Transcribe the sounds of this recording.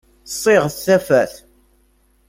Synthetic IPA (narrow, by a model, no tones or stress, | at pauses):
sˤːɪʁθθæfæθ